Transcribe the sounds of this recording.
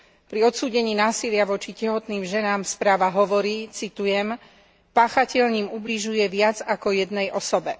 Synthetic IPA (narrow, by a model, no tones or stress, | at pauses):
pɾiɔt̪suːɟɛɲiːnaːsilɪaʋɔt͡ʃicɛɦɔt̪niːmʒɛnaːmspɾaːʋaɦɔʋɔɾiːt͡sit̪ujɛm | paːxacɛʎɲiːmubliʒujɛʋɪad͡zakɔjɛd̪nɛjʔɔsɔbɛ